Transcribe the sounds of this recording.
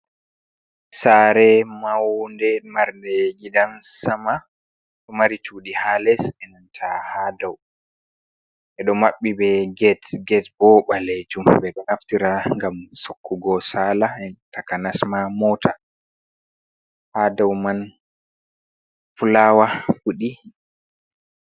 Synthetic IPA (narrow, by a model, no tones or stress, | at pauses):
saɾɛmawndɛmaɾndɛɡidansama | ɗɔmaɾit͡ʃuːɗihalɛsɛnantʰahadaw | ʔɛɗɔmaɓːibɛɡɛtɡɛtbɔɓaled͡ʒumbɛɗɔnaftiɾaŋɡamsokʰːuɡɔsalaɛtakanasmamɔːtʰa | hadawman | fulaːwafuɗi